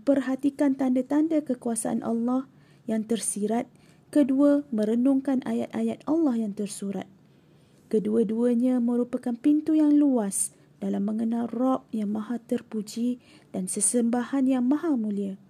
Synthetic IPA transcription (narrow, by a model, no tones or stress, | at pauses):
pərɦat̪ikant̪andat̪andakəkuasaʔa̰nʔɑ̰lːɑh | jaŋt̪ərsiɾat̪̚ | kəduəmə̃ɾənʊŋkanʔajat̪̚ʔajat̪̚ɑlːɑhjaŋt̪ərsuɾa̰t̪̚ | kəduəduəɲãmə̃ɾupakanpint̪ujaŋluas | d̥alamːə̃ŋənalrɔp̚jaŋmãɦat̪ərpud͡ʒi | dansəsəmbahanjaŋmãɦamũlia